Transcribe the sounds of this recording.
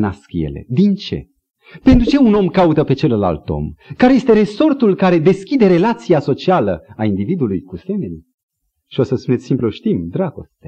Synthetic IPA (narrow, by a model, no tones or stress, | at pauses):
naskjḛle̞̰d̪int͡ʃe̞̰ | pe̞nt̪ɾut͡ʃe̞uno̞mkaut̪əpe̞t͡ʃe̞lla̰lt̪o̞̰mkaɾeje̞st̪e̞ɾe̞so̞rt̪ulkaɾe̞d̪e̞skʲid̪e̞ɾe̞lat̪sijaso̞t͡ʃialə̰aind̪ivid̪ulujkuse̞me̞ni | ʃio̞səspunet̪ʲsimploʃt̪imd̪ɾaɡ̥o̞̰st̪e